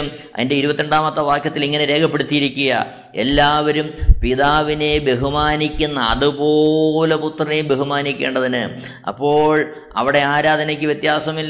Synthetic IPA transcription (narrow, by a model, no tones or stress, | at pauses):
ɐ̰ðindeiɾubɐt̪ːeɳɖaːmɐt̪ːɐʋaːkjɐt̪ːiliŋːɐne̞ɾe̞ːkʰɐpːe̞ɽut̪ːijiɾikʲːuɣɐ̰ | e̞̰lːaːʋɐɾumpiðaːʋine̞be̞ɦumaːnikʲːunːɐɐ̰ðɨpo̞le̞put̪rɐnejbe̞ɦumaːnikʲːe̞ːɳɖɐðinɨ | ɐ̰pːo̞ːɭ | ɐ̰ʋiɽe̞aːɾaːd̪ʱɐnɐkʲːɨʋjet̪jaːsɐmilː